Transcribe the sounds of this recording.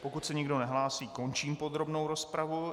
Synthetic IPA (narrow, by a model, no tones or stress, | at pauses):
po̞kut̪sɛɲɪɡdo̞nɛɦlaːsiːko̞nt͡ʃiːmpo̞d̪ɾo̞bnowɾo̞spɾavu